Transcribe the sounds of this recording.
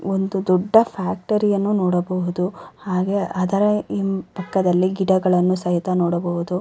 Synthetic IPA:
ond̪ud̪ɔɖːɐpʰaːk̚ʈɐɾijɐnːunoːɽɐbɐɦud̪uhaːɡeʔɐd̪ɐɾɐempɐkːɐd̪ɐlːiɡiɖɐɡɐɭɐnːusɐɦit̪ɐnoːɽɐbɐɦud̪u

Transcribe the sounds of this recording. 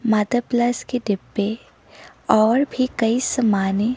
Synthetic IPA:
maːd̪əpləskeɖɪpːe | ɔːɾbʱikɐisɐmaːne

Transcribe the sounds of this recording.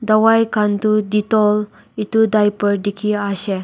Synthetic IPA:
d̪əwajkãnt̪ud̪it̪ɔl | it̪ud̪ajpəɾd̪ikʰiaɕɛ

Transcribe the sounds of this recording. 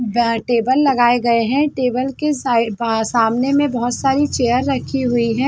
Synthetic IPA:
bʈeːbəlːɐɡaːeɡɐeɦɛ̃ʈeːbəlkesasaːmnemẽbɐɦʊt̪saːɾit͡ʃeːjəɾːɐkʰiɦʊiɦɛ̃ː

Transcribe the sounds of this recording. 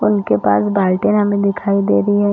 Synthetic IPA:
ʊnkepaːsbaːlʈenɦɐmẽd̪ɪkʰaːid̪eːɾɐiɦɛ

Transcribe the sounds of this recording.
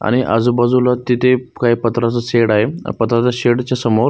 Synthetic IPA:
a̰ɽ̃iʔa̰d͡zubad͡zulat̪it̪ʰekaipət̪ɾat͡səɕeɽaɦepət̪ɾat͡saɕeɽt͡ɕjasəmoɾ

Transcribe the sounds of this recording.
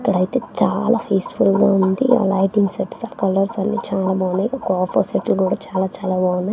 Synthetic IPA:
ikːɐɽɐjt̪e̞ːt͡ʃaːlaːpʰeːsfulɡaːund̪ia̰ːlɐjʈiŋɡseʈsaːkɐlɐɾsɐnːit͡ʃaːlaːbaːnːaːjɔkːɐɔːpʰo̰ːseʈlkuːɽaːt͡ʃaːlaːt͡ʃaːlaːbaːwunːaji

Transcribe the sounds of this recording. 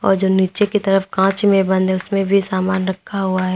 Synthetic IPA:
ɔ̰ːɾd͡ʒoːniːt͡ʃekit̪ɐɾəfkãːt͡ʃmẽbɐ̃nd̪ʱɦɛʊsmẽbʱisaːmaːnɾɐkʰːaɦuaɦɛː

